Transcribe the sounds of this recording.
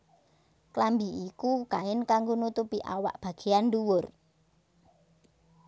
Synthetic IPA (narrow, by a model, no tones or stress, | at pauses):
klambiikukaɪnkaŋɡonut̪upiʔa̰wa̰ʔb̥ä̤ɡ̥e̤anɖuwʊr